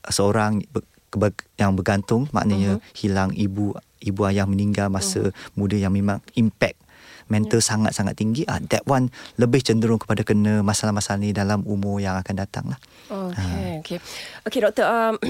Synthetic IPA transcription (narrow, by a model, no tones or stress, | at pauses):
səoɾaŋ | bjaŋbərɡant̪ʊŋma̰ʔnəɲə̃hilaŋibu | ibuajahməniŋɡalmasə̰mũdəjaŋmemaŋimpɛk̚ | mɛnt̪əlsaŋat̪saŋat̪ːiŋɡiʔa̰dɛʔ̚wanləbɪht͡ʃəndəɾʊŋkə̥padakənə̃masalahmasalanidalamumʊrjaŋakandat̪a̰ŋlah | oəokeokedɔk̚t̪əəm